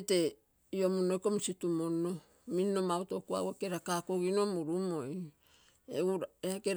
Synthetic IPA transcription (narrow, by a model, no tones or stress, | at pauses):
te̞ | io̞munojko̞misitumo̞nːo | minno̞mauto̞kua̰woke̞ɾakakoɡino̞muɾumo̞j | euɾaekeɾ